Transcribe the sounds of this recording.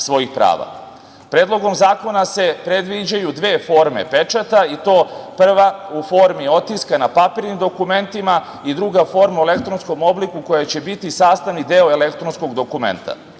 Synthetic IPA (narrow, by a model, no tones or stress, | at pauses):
sʋo̞jixpɾa̰ːʋa̰ | pɾeːd̪lˠo̞ɡo̞mzaːko̞nase̞pɾed̪ʋid͡ʑajud̪ʋe̞ːfo̞ɾme̞̰pe̞t͡ʃat̪ait̪o̞ːpr̩ʋaufo̞ɾmio̞t̪iskanapapiɾnimd̪okume̞nt̪ima | id̪ɾuɡafo̞ɾmaelekt̪ɾonsko̞mo̞blikuko̞jat͡ɕe̞bit̪isaːst̪aʋnid̪e̞oele̞kt̪ɾonsko̞ɡd̪o̞kume̞̰nt̪a̰